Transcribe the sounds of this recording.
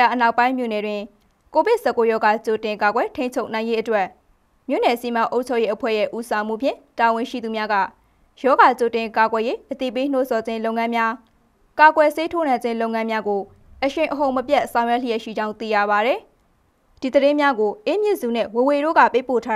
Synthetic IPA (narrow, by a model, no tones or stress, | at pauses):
aʔənaʊpãɪ̃mjo̰nɛdwɪ̃ | kobɪʔsɛkːojɔɡat͡ɕotɪ̃kaɡwɛtʰẽɪ̃ɲt͡ɕʰoʊʔnãɪ̃jeʔətwɛʔ | mjo̰nɛsimãʔoʊʔt͡ɕʰojeʔəpʰwɛ̰jɛ̰ʔusãʊ̃m̥ṵpʰjɪ̰̃tawɪ̃ʃḭd̪umjaɡa̰ | jɔɡat͡ɕotɪ̃kaɡwɛjeʔət̪ḭpen̥o̰zɔd͡ʑɪ̃lõʊ̃ŋãmja | kaɡwɛsetʰonãɲd͡ʑɪ̃lõʊ̃ŋãmjaɡo | ʔəʃɪ̃ʔəɦõʊ̃məpjɛʔsãʊ̃jwɛʔlijɛʃḭd͡ʑãʊ̃nt̪ḭja̰βaɾɛ | d̥id̪əɾɪ̃mjaɡoʔemjɪʔzunɛ̰woweɾo̰ɡa̰pepo̰tʰa